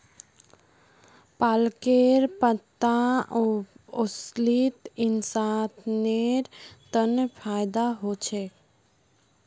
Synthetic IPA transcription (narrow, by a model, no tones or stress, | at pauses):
paːlkeɾpət̪ːaooslit̪insat̪ʰneɾt̪ənpʰajd̪aɦot͡ʃʰe